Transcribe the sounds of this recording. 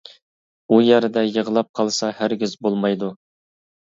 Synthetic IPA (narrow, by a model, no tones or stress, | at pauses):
ujæɾɪd̪ɛjəʁəlˠɑp̚qʰɑlˠsɑhæɾɡʲizbolˠmɑjd̪u